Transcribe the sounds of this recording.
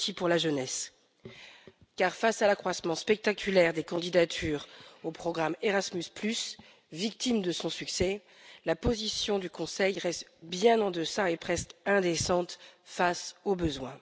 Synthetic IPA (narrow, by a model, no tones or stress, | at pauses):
tipuʁlaʒənɛs | kaʁfasalakχwasmɑ̃spɛk̚t̪akʲylɛʁd̪ekɑ̃d̪id̪at̪ʰyːʁopχɔɡʁameʁasmysplys | vik̚t̪imd̪əsɔ̃syksɛ | lapozisjɔ̃d̪ykɔ̃sɛjʁɛst̪bjɛ̃nɑ̃d̪əsaepχɛst̪ɛ̃d̪esɑ̃t̪fasobəzwɛ̃